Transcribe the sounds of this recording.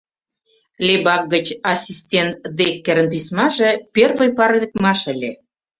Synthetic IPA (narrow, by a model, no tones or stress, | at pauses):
lʲebɑk̚ɡə̆t͡ɕɑsʲistʲent̪d̪ekːĕɾə̆np̬ismɑʒĕpʲerβə̆jpɑrlʲə̆k̚mɑʃə̆lʲe